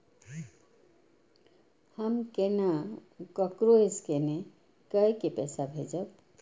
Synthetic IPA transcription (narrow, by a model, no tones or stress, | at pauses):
həmkenakəkɾoeskene | kəjkepɛsabʱed͡ʒəb